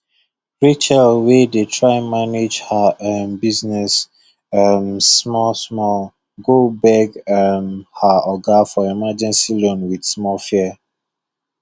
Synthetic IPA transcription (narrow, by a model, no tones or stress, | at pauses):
ɹit͡ʃɛlwedetʰɹaɪɛ̃nmaned͡ʒhaambiznɛs | ammɔsmɔl | ɡobɛɡamhaɔɡafɔimad͡ʒɛ̃nsilõnwid̥smɔlfiə